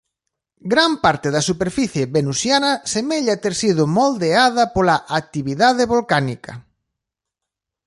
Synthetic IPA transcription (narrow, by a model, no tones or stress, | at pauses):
ɡɾampaɾt̪ɪðɐsupeɾfiθjeβenusjanɐsemeʎat̪eɾsið̞ʊmold̪eað̞ɐpolaʔak̚t̪iβiðað̞eβolkanikɐ̰